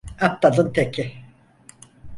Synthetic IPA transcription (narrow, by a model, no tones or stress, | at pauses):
ap̚t̪alɯnt̪ʰekʰɪ